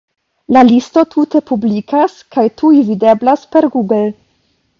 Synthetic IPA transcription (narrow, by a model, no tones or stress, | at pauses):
lalisto̞tʰute̞publikaskajtujvide̞blaspe̞ɾɡuɡl